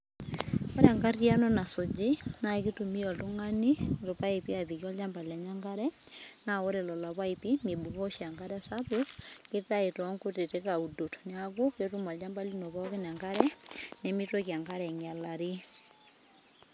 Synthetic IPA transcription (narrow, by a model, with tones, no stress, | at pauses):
ɔ˦ɾa˨ŋɡarja˦nɔna˨so˨d͡ʒe˦na˨e˦ki˦tu˨mi˦ɔ˨to˦ŋanilo˨pa˦e˨pi˦a˨ði˨kɔ˦ld͡ʒa˦mba˨lia˨ɲa˦ŋɡa˦ɾɛ | nao˦ɾɛ˨lɔ˨la˨βa˦ipi˦mi˨bu˨kɔ˦ʃia˨ŋɡa˦ɾɛsapokɪ˦ta˦e˨tɔ˦ŋkote˨te˦kau˨do˨tnako˦ketu˦ma˨ld͡ʒamba˦li˦no˨βakenaŋɡa˦ɾɛnɛmi˦twɔkja˨ŋɡa˦ɾɛŋja˨laɾi˦